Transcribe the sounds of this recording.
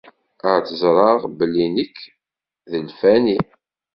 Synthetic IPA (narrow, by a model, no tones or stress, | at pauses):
əɾt͡səzɾˤɑʁbəlːinəkː | ðəlfæni